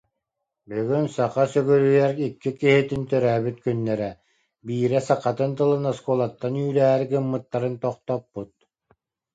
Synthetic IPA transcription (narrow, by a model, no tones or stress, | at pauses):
bøɡynsaqasœɡœɾyjɛɾikːikiɦit̪int̪œɾæːbyt̪kynːɛɾɛ | biːɾɛsaqːat̪ɯnt̪ɯlˠɯnaskulˠat̪ːanyːlɛːɦɛɾɡɯmːɯt̪ːaɾɯnt̪ɔχt̪ɔpːut̪̚